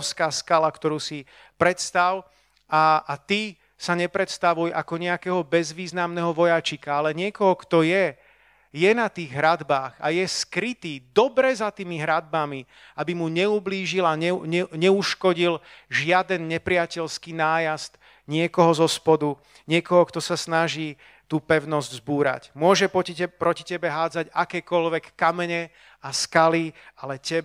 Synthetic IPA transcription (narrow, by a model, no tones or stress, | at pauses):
skaːskalakt̪ɔɾuːsi | pɾɛt̪st̪aw | aːt̪iː | saɲɛpɾɛt̪st̪aʋujakɔɲɛakɛːɦɔbɛzʋiːznamnɛɦɔʋɔjat͡ʃikaalɛɲɪɛkɔɦɔkt̪ɔjɛ | jɛnat̪iːɣɦɾad̪baːɣa̰jɛskɾit̪iːd̪ɔbɾɛzat̪iːmiɦɾad̪̚bami | abimuɲɛubliːʒilaɛɲɛɲɛuʃkɔɟilʒɪad̪ɛnɲɛpɾɪacɛʎskiːnaːjazt̪ | ɲɪɛkɔɦɔzɔspɔd̪u | ɲɪɛkɔɦɔkt̪ɔsasnaʒiː | t̪uːpɛʊnɔzɟzbuːɾa̰cmʊɔʒɛpɔpɾɔci̥cɛbɛɦaːd͡zaɟakɛːkɔʎʋɛkːamɛɲɛ | askalialɛcɛ